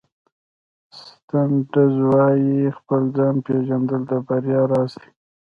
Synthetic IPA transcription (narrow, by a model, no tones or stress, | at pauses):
st̪anɖəzwɑjixpəld͡zɑnpeʒand̪əld̪abaɾjɑɾɑsi̥